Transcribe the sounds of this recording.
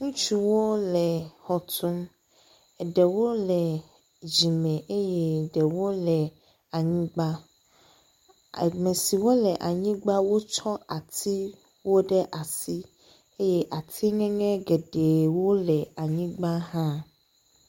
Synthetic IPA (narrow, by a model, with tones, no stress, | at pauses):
ŋũ˦t͡ʃu˦wo˦lɛ˨hɔ˨t̪ʰu˦m˨ | ɖɛ˨wo˦lɛ˨ | d͡ʑi˨mɛ̃˨ʔe˦jɛ˦ɖɛ˨wo˦lɛ˨ | a˨ɲĩ˦ɡ͡ba˦˨ | mɛ̃˨si˨wo˦lɛ˨ʔa˨ɲĩ˦ɡ͡ba˦wo˦t͡ʃɔ˦a˨t̪ʰi˦ | wo˦ɖɛ˦ʔa˨si˦ | e˦jɛ˦ʔa˨t̪ʰi˦ŋɛ̃˦ŋɛ̃˦ɡe˨ɖe˨wo˦lɛ˨a˨ɲĩ˦ɡ͡ba˦ɦã˦